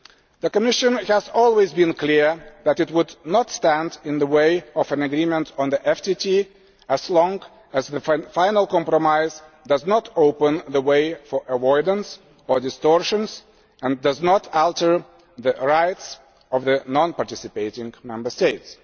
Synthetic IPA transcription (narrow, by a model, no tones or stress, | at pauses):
ðɨkəmɪʃɨ̃nhæzɔlˠwezbɨ̃nkliɹðæɾɨt̚wʊdnətstæ̃ndɪ̃nðəweɪʌvɨ̃nɨɡɹimə̃ntʰɔ̃n̩ðiʔɛftitʰi | æz̥lɔ̃ŋɡ | ɨzðɨfãɪnəl̩ˠkɑ̃mpɹɔmaɪz | dʌznətoʊpə̃nðəweɪfə˞ʔəwɔɹdə̃n̩s | ə˞dɨstɔɹʃə̃nz | ə̃ndʌznətælˠtə˞ | ðɨɹaɪts | ʌvðɨnɑ̃npɑɹtɪsɨpeɪɾɪ̃ŋmɛ̃mbə˞steɪts